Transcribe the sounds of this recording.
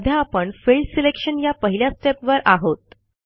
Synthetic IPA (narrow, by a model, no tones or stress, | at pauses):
d̪ʱjaːpəɳfelɖselekɕənjapəɦiljasʈepʋəɾʔaɦot̪